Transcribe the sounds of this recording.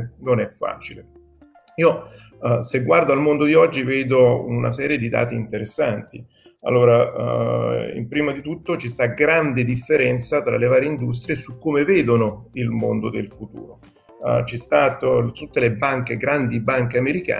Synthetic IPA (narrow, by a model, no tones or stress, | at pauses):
nonɛfːa̰ːt͡ʃile | iːo | seɡːward̪oalmond̪od̪iɔd͡ʒːiveːd̪oṵna̰sɛːɾjed̪id̪a̰ːt̪iːnt̪eɾesːa̰nt̪ḭ | a̰lːoːɾa̰ | ḭmpɾiːmad̪it̪ut̪ːot͡ʃist̪aɡɾand̪ed̪ifːeɾɛnt̪sat̪ɾa̰levaːɾjeind̪us̬t̪ɾijesukːomeveːd̪onoilmo̰nd̪od̪ḛlfut̪ṵːɾo | t͡ʃɛst̪aːt̪ot̪ut̪ːelebaŋk̟eɡɾand̪ibaŋk̟eameɾika̰ː